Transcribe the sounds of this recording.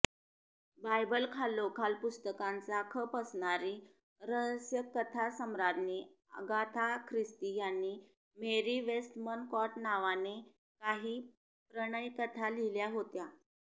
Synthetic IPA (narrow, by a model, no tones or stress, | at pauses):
bajbəlkʰalokʰalpust̪əkãnt͡sakʰəpəsɳaɾiː | ɾəsjəkːət̪ʰasəmɾad̪ne | ə̰ɡat̪ʰakʰɾist̪ijanːiː | meɾiʋesʈ̪mənkɔʈnaʋane | kaɦiː | pɾəɽ̃əjkət̪ʰaliljaɦot̪ja